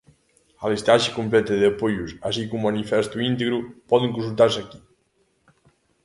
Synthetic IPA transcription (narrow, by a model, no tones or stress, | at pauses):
alest̪aʃekumplɛt̪eðapoʎusasikumːanifɛst̪uint̪eɣɾupɔðeŋkũnsulˠt̪aɾsaki